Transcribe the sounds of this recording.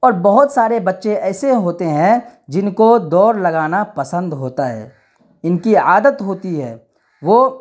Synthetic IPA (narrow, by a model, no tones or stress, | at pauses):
ɔːɾbɐɦʊt̪saːɾebɐtːʃeɛːseɦoːt̪eɦɛ̃d͡ʒɪnkod̪ɔːɾlɐɡaːnapɐsə̃nd̪ɦoːt̪aɦɛ̰ː | ɪnkiaːd̪ət̪ɦoːt̪iɦɛː | ʋoː